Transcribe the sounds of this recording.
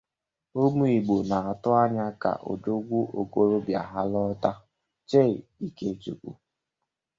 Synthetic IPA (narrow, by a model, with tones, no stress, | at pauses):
o˦mu˦i˨ɡ͡bo˨na˨a˨tʊ˦a˦ɲa˦ka̰˨ʔo̰˨d͡ʒo˦ɡʷu˦ʔo˨ko˦ɾo˦bja˨ɦa˦lɔ˦ta˦ | t͡ʃe˦˨i˦ke˦t͡ʃu˨kʷṵ˦